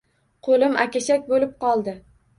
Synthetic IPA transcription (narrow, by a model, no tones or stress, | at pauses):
qʰolɪmʔakʲaʃakʲbolɪp̚qɒlˠd̪ɪ